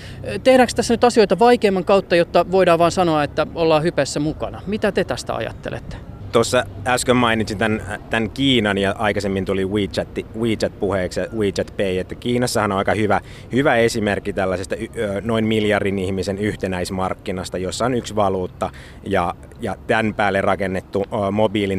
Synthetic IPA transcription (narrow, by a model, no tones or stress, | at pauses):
t̪ehɾæːkst̪æsːænyt̪ɑsioit̪ɑʋɑikeːmːɑŋkɑut̪ːɑjot̪ːɑʋoidɑːʋɑːnsɑnoɑet̪ːæolːɑːhypæsːæmukɑnɑmit̪æt̪et̪æst̪æ̰ɑ̰jɑ̰t̪ːḛlḛt̪ːe̥t̪osːɑæskømmɑinit̪sint̪ænt̪ænkiːnɑnjɑʔɑikɑsemːint̪uliwiːt͡ʃɑt̪ːiwiːt̪t͡ʃɑt̪̚puheːksjɑwiːt̪t͡ʃɑt̪peiet̪ːækiːnɑsːɑhɑnoɑikɑhyʋæ | hyʋæesimerkːit̪ælːæsest̪ɑynoinmiljɑrdinihmisenyht̪enæismɑrkːinɑst̪ɑjosːɑonyksʋɑluːt̪ːɑ | jɑ | jɑt̪ænpæːlːerɑkenːet̪ːuːmobiːlin